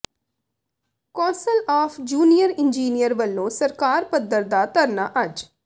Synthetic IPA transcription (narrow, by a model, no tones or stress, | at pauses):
kɔːsəlɔːfʰd͡ʒuːnijəɾɪnd͡ʒiːnijəɾʋəlːõːsəɾkaːɾpəd̪əɾd̪aːt̪əɾnaːʔəd͡ʒ